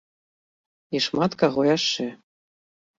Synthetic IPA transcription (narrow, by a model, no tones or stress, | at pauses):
iʃmɑt̪kɑʁojɑʃːɘ̆